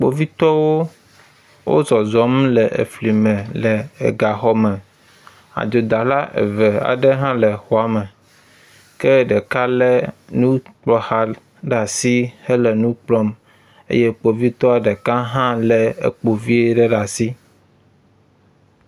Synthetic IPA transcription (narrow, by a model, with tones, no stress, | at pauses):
k͡po̰˨vi˦t̪ɔ˦wo˦ | wʔo̰˦zɔ˨zɔ˨m˦lɛ˨ʔḛ˨fli˨mɛ̃˨lɛ˨ḛ˨ɡa˨xɔ˦mɛ˨ | a̰˨d͡ʒ̪o˨d̪a˨la˦ʔḛ˨vɛ˨a̰˨ɖɛ˦ɦã˦lɛ˨xɔ˨a˨mɛ˨ | kɛ˦ɖɛ˨ka˦lɛ˦nũ˦k͡pɔ˦ha˦ | ɖa˨si˦hɛ˦lɛ˨nũ˦k͡plɔ˦m | ḛ˦je˦k͡po˨vi˦t̪ɔ˦a˨ɖɛ˨ka˦ɦã˦lɛ˨ḛ˨k͡po˨vi˦e˦ɖɛ˦ɖa˨si˦